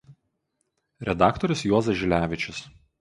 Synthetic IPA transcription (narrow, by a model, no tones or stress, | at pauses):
ɾʲɛd̪ɑːˑkt̪ɔɾʲʊsjuɔzɐʒʲɪlʲæːʋʲɪt͡ʃʲɪs